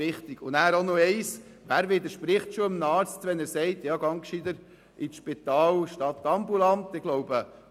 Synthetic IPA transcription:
ɪχt̪iɡ̥ʊnæːɾonoɛɪs | ʋæːɾʋɪd̪əɾʃpɾɪχtʃoɪmnɑːɾt͡stʋɛnæɾsɛɪtjɑːɡɑŋkʃid̪əɾ | ʔiʃpit̪ɑːlʃtɑtːɑmbulɑntɪɡ̥lɔʊbə

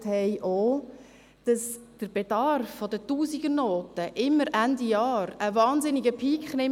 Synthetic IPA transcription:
thɛɪʔoː | d̥ɑsd̥əɾb̥edɑrfːɔdətuːsiɡ̥ənoːtəʔɪmːəɾændijɑːɾəvɑːnzɪnɪɡəpʰiːkχnɪm

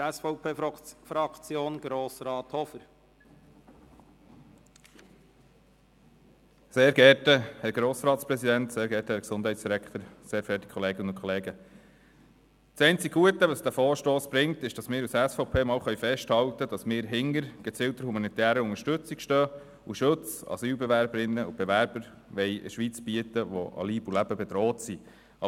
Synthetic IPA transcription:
ɛsfɔʊpʰeːfɾɑkt͡sjoːnɡ̥ɾoːsɾɑːt̪hɔfəɾ | seːɾɡɛɾtəhɛɾɡ̥ɾoːsɾɑːt̪spɾɛsidænt̪seːɾɡɛːɾtəhɛɾksʊnd̥hɛjtsd̥iɾækʰt̪əɾseːɾfɛːti̥kʰχɔleːɡ̥ənəʊnkʰɔleːɡə | sɛɪnt͡siɡ̥ɡuətəʋɑsd̥æfɔːɾʃtoːsb̥ɾɪŋt̪ɪʃd̥ɑsmɪːɾusæsfɔʊpʰeːmɑːlχœɥjfɛʃthɑwtəd̥ɑsmɪːɾɦɪŋːəɾɡ̥ət͡sɪltəɾhumɑnit̪æːɾəʊŋəɾʃtɵt͡sikʃtœː | uʃʊt͡sɑ̰syːlbɛʋæɾbəɾɪnːəub̥eʋæɾb̥əɾ | ʋɛjʔɪ̰ʃʋit͡sb̥iət̪əʋɔ̰ʔɑ̰liːbulæb̥əbɛd̥̪ɾɔːtsi | ɑ

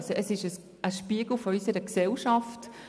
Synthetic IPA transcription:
sɔəsɪʃəs | ʔəʃpiəɡ̥l̩fɔɔʏsəɾəksɛlʃɑft

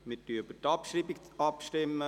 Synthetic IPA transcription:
mɪtybətɑpʃɾiːbikɑpʃtɪmːə

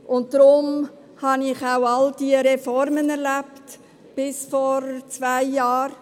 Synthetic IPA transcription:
ʔʊntd̥ɾʊm | hɑnɪχaʊɑld̥iəɾɛfɔɾmənɛɾlæpt | b̥ɪsfɔɾt͡svaɪjɑːɾ

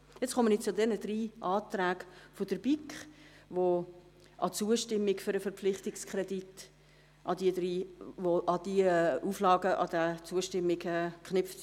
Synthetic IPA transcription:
jɛt͡sχɔmənit͡sʊdɛnəd̥riːʔɑːtræːɡfod̥əɾb̥ikχ | vo | ʔɑt͡suəʃtɪmːiɡføɾəfəɾpp͡flɪχtɪkskʰrɛdit | ʔɑdiədriːvoʔɑd̥iəuːflɑːɡəʔɑ̰dæt͡suəʃtɪmːɪɡɛːkχnʏft

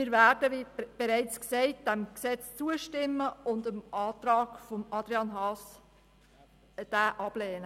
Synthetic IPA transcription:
mɪɾvæːɾdəʋib̥eɾɛɪt͡sksɛɪt̚d̥æmksɛt͡st͡suəʃtɪmːəʊndəmɑːt̪ɾɑːɡ̥fɔmɑd̥̪ɾiɑnɦɑːs | d̥æːʔɑb̥lɛːnə

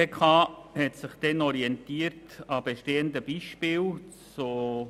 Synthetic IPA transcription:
ekʰɑːhɛtsɪχd̥ɛnɔɾiɛntiːəɾtɑb̥eʃteːəndəb̥iːʃpiːlt͡so

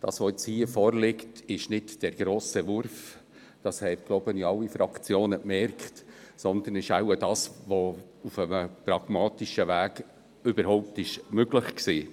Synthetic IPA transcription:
d̥ɑ̰ːsʋoɛt͡shiːəfɔːɾlɪktɪʃnɪtd̥ɛɾɡ̥ɾoːsəvʊɾf | d̥ɑshɛɪpɡ̥loʊbəniɑlːifɾɑkt͡sjoːnəpmɛɾkχtsɔnd̪ənɪʃawəd̥ɑːsʋo | ufəməpɾɑɡ̥mɑːtiʃəvæːɡ̥ | ʏbəɾhɔʊp̚tɪʃmøɡləχksiː

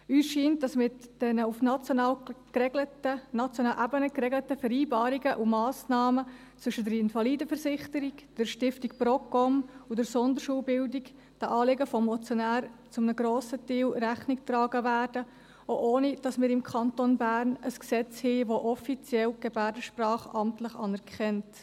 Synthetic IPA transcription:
yːsʃiːnt̚d̥ɑsmɪtd̥ɛnəufnɑt͡sjonɑlkɛətənɑt͡sjonɑːlʔæbənəkɾɛɡlətəfɛɾiːbɑːɾiɡəʔumɑːsnɑːmə | t͡sʋʏʃədəɾɪnfɑliːdəfəɾsɪχtəɾikd̥əɾʃtɪftik̚pɾɔkːɔmud̥əɾsɔnd̪əɾʃuːlbɪldik | d̥ɑʔɑːlɪɡəfɔmːɔt͡sjonæːɾt͡sʊmnəɡɾoːsətiːlɾæχniktrɑːɡəvæːrd̥ə | oʔoːnid̥ɑsmɪːɾɪmkʰɑntonbæːɾnəsksɛt͡shiːʋoʔɔfit͡sjɛlɡ̥ebæːrdəʃprɑːχɑmtləχɑ̰nɛɾkχɛnt

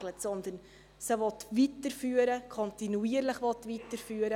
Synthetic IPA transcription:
lətsɔnd̪ən | səʋɔt̪ʋitəɾfyːəɾəkʰɔnt̪inuiːəɾləχʋɔt̪ʋitəɾfyːɾə

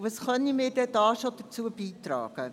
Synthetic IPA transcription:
vɑsχœnimeːdɛdɑːʃodərt͡suəbiːtrɑ̰ːɡ̥ə

